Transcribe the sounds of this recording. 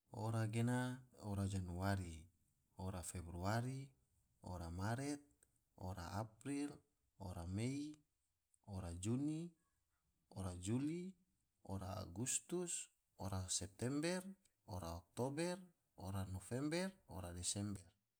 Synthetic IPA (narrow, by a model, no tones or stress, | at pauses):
oɾaɡenaoɾad͡ʒanuaɾi | oɾafebɾuaɾi | o̰ɾamaɾɛt̪̚ | o̰ɾa̰ʔapɾil | o̰ɾamei | oɾad͡ʒuni | oɾad͡ʒuli | oɾa̰ːɡust̪us | oɾasɛp̚t̪ɛmbɛr | oɾaɔk̚t̪obɛr | oɾanofɛmbɛro̰ɾadɛsɛmbɛr